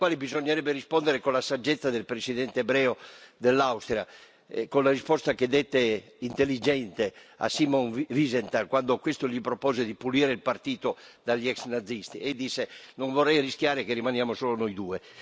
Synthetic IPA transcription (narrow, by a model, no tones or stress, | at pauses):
kwaːlibizoɲːeɾɛbːeɾispond̪eɾekõlasad͡ʒːet̪sːad̪elpɾesiðɛnt̪eːbɾɛːod̪elːawst̪ɾia | konlarispɔst̪aked̪et̪ːe | int̪elːid͡ʒɛnt̪ea̰simɔŋvizent̪aŋkwand̪okwest̪oʎipɾopɔːzed̪ipuliːɾeilpart̪iːt̪od̪aʎːiɛksnad̪zːist̪ied̪isːenoɱvorːɛjrisk̟jaːɾekerːimanjaːmosoːlonojd̪uːe